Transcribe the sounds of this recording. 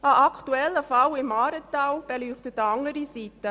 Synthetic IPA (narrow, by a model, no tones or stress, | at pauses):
ɑʔɑkʰtuɛlːəfɑwɪmɑːɾət̪ːaːwb̥ɛlyːχtətːɑŋəɾisit̪ə